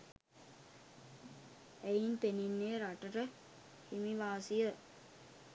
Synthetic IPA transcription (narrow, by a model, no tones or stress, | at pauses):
ejint̪eninːeːɾaʈəɾə | himiʋaːsijə